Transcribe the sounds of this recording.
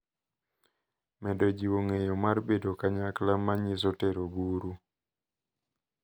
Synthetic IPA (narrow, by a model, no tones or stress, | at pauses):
mɛdɔd͡ʒiwoŋejomarbedokaɲaklamaɲis̬oteɾobuɾu